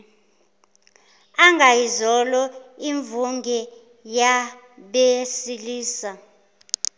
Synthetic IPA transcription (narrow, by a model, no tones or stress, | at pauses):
aŋɡʱajizɔlɔiɱvuŋɡɛ | ja | ɓesiliːsa